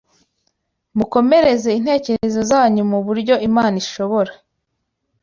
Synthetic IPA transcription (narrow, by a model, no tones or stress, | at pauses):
muko̞me̞ɾe̞ze̞inhe̞ːce̞ɾe̞zo̞zaaɲumuβuɾɟo̞imaːniʃo̞βo̞ɾa